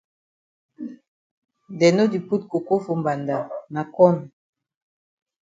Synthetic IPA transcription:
dɛ˨no˦di˨pu˦t̚ko˨ko˦fu˨mba˨nda˨na˨kɔ˦n˨

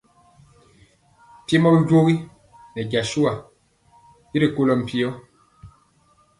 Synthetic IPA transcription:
pje˦mɔ˦bi˦ɟo˦ɣi˦ | nɛ˨ɟa˨ʃu˦a˨ | i˦ɾi˨ko˦lɔ˨m̩˨pi˦ɔ˦

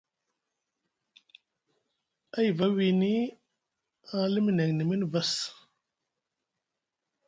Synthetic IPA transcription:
a˦jva˨˦wi˨ni˦ | a˨˦li˦mi˨na˨ŋni˨mi˦n˨va˦s

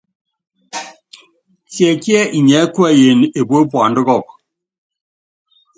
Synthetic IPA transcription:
tjɛ˨kjɛ˦ʔi˨ɲɛ˨˦kwa˦˨je˨ne˨bo˦pwa˨ndɪ˦ɣɔ˦˨k

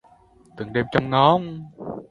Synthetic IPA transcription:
t̪ɨ˨˩˦ŋɗe˧mt͡ɕɔ˧wŋ͡mŋɔ˦ŋ

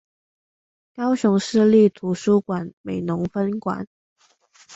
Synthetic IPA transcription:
kɑ˥ʊɕʊ˧˥ŋʂɻ̩˥˧li˥˩t̪ʰu˧˥ʂu˥kwa˨˩nme˨˩ɪnʊ˧˥ŋfə˥nkwa̰˨˩˦n

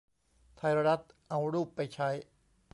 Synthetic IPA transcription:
t̪ʰa˧jɾa˧ɾa˦˥t̪̚ʔa˧wɾuː˥˩pːa˧jt͡ɕʰa˦˥j

